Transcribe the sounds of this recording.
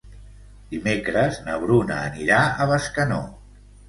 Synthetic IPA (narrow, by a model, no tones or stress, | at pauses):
d̪̥imekɾəznəβɾunə̰ːniɾaəβəskəno̰